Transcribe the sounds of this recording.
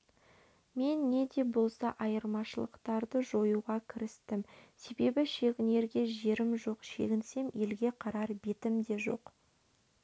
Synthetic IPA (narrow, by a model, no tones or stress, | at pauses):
me̞nːe̞d̪e̞bo̞lˠsɑʔɑjəɾmɑʃəlˠəqt̪ɑɾd̪əʒo̞juʁɑkʲʰɪɾɪst̪ɪmse̞be̞bɪʃe̞ɡʲɪne̞ɾɡʲe̞ʒe̞ɾɪmʒo̞qʃe̞̰ɡʲɪnse̞me̞lɡʲe̞qʰɑɾɑɾbe̞t̪ɪmd̪e̞ʒo̞̰q